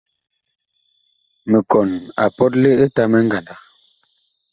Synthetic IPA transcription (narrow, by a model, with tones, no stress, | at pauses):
mə˨kɔ˨na̰˨pɔ˦t̬̚le˦ə˦ta˦mɛ˦ŋ˦ɡa˨nda˨